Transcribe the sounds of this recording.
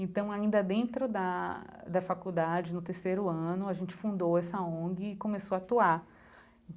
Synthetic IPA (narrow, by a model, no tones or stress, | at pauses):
ẽnt̪ɐ̃w̃aĩnd̪ɐd̪ẽnt̪ɾʊd̪ɐ | d̪ɐfakud̪ad͡ʒɪnʊt̪eɾsejɾʊɐ̃nʊaʒẽnt͡ʃɪ̥fũnd̪owɛsɐõɡɪːkõmesoat̪uaɾ